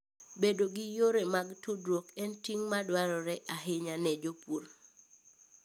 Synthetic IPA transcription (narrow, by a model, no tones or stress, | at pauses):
bedoɡɪjoɾɛmaɡtudɾokɛntiŋmadwaɾɔɾɛʔaɦɪɲanɛd͡ʒopuɾ